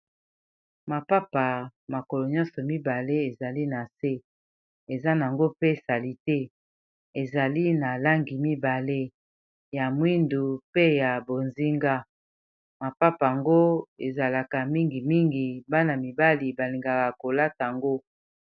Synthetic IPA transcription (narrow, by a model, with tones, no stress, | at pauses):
ma˨pa˦pa˨ma˨ko˨lo˨ɲɔ̃˦sɔ˨mi˦ba˨le˦e˨za˨li˦na˨se˦ | e˨za˦n˨ŋɡo˦pe˦˨sa˨li˨te˦ | e˨za˨li˦na˨la˦ŋɡi˨mi˦ba˨le˦ | ja˨mwi˦ndu˨pe˦ja˨bo˨nzi˦ŋɡa˦ | ma˨pa˦pa˨ŋɡo˦e˨za˨la˨ka˨mi˦ŋɡi˨mi˦ŋɡi˨ba˦na˨mi˨ba˦li˨ba˨li˨ŋɡa˨ka˨ko˨la˦tŋɡo˦